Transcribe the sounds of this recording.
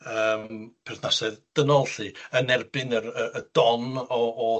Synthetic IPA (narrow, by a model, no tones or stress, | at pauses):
əːmpʰɛrθnasɛðd̥ənɔlˠɬɨənɛrbɨnərəəd̥ɔnɔʔɔ